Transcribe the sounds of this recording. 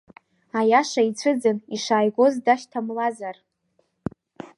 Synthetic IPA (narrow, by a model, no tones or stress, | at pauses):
ajaʂait͡sʷʰɨd͡zɨniʂaːjɡʷo̞zdaʃtʰamlazar